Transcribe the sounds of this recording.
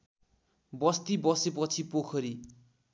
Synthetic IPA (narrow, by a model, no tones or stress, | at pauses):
bʌst̪ibʌsepʌt͡sʰipokʰʌɾi